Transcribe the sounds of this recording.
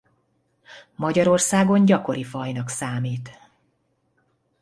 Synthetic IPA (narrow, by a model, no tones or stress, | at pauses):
mɒɟɒɾo̞rsaːɡo̞nɟɒko̞ɾifɒjnɒksaːmiːt̪